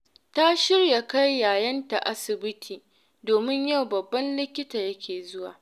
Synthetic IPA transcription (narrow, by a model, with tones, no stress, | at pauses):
ta˦ʃɪ˦rja˨ka˦jːaː˨jɐ˦nta˨ʔa˦sɪ˨bɪ˦tʰiː˨ | doː˨mɪ˦ɲja˦˨wbɐ˨bːɐ˦nlɪ˦kʲɪ˦taː˨jɐ˦kʲʰeː˨zʊ˦wa̰ː˨